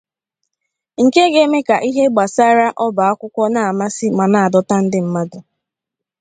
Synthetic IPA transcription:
ŋ̩˨ke˦ɡe˦me˦ka˨ʔi˦ɦe˦ɡ͡ba˨sa˦ɾa˦ʔɔ˦ba˨a˦kʷʊ˦kʷɔ˦na˨a˨ma˦sɪ˦ma˨na˨a˨dɔ˦ta˦n̩˦dɪ˦m̩˦ma˦dʊ˨

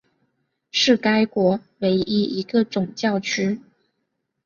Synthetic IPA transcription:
ʂɻ̩˥˩ka˥ɪkwɔ˧˥we˧˥ɪʔi˥i˧˥ɡə˧ʈ͡ʂʊ˨˩ŋt͡ɕjɑ˥˩ʊt͡ɕʰy˥

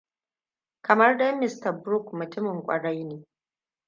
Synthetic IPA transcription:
kɐ˨mɐ˦rdɐ˦mɪ˦stɐ˨bɾʊ˦kmʊ˨tɪ˦mɪ˨ŋkʷʼɐ̰˨ɽɐ˦jneː˨

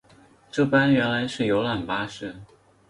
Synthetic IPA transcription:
ʈ͡ʂɤ˥˩pa˥nɥɛ˧˥nla˧˥ɪʂɻ̩˥˩jo˧˥ʊla˨˩npa˥ʂɻ̩˥˩

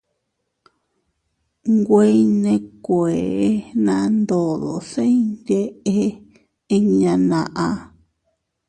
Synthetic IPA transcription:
ŋɡʷe˦i˦nẽ˧kʷe˨˦nã˧nd̪o˨ðo˨se˦nd̪ʲe˦ʔe˦ | e˧ɲã˧nã˨ʔa˧

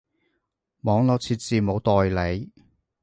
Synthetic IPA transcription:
mɔː˨˥ŋlɔ˨˥wt͡sʰiː˧t̚t͡siː˨mo˨˧˥wt̪ɔː˨˧jle˨˥j

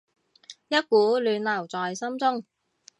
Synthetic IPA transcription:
jɐ˥t̚kuː˨˥lyː˨˧nlɐ˨˩wt͡sɔː˨jsɐ˥mt͡sʊ˥ŋ

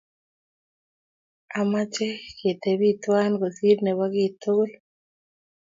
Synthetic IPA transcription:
a˨ma˦t͡ʃɛ˦ke˨t̪e˨bi˦t̪wa˦nɡo˨si˦dnɛ˨wa˦ɡɪ˦t̪o˦l

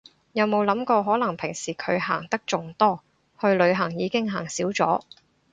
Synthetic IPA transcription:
jɐ˨˧wmo˨˧wlɐ˨˥mkɔː˧ɦɔː˨˥lɐ˨˩ŋpʰɪ˨˩ŋsiː˨˩kʰɵ˨˧ɥɦaː˨˩ŋt̪ɐ˥k̚t͡sʊ˨ŋt̪ɔː˥ | hɵ˧ɥlɵ˨˧ɥɦɐ˨˩ŋjiː˨˧kɪ˥ŋɦaː˨˩ŋsiː˨˥wt͡sɔː˨˥

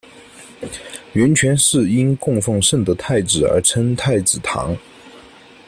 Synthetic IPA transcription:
ɥɛ˧˥nt͡ɕʰɥɛ˧˥nʂɻ̩˥˩i˥nkʊ˥˧ŋfɑ˥˧ŋʂə˥˩ŋd̪ə˩t̪ʰa˥˩ɪt͡sɻ̩˨˩ə̰˞˧˥ʈ͡ʂʰə˥nt̪ʰa˥˩ɪt͡sɹ̩˨˩t̪ʰɑ̰˧˥ŋ

